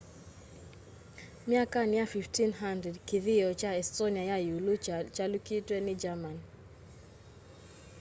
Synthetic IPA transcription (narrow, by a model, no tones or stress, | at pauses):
mjakanjafiftinɦandɾɛdkiðijɔt͡ʃaɛstoniajajulut͡ʃalukitwenid͡ʒaman